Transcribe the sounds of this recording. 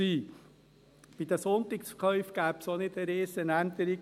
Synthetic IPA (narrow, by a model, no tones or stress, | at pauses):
iː | b̥it̪əsont̪ɪkskʰœʏfɡ̥æːpsonɪd̪əɾeːsənænt̪əɾi